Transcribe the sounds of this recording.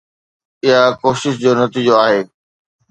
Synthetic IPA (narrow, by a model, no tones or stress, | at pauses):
ɪɦakoːʃɪʃd͡ʑoːnɐt̪iːd͡ʑoaːɦeː